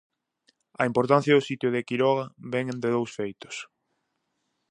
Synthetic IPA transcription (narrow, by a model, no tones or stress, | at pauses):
ɐimpoɾt̪an̟θjɐðʊsit̪jʊðekiɾɔɣɐβɛŋnd̪ɪðowsfejt̪ʊ̥s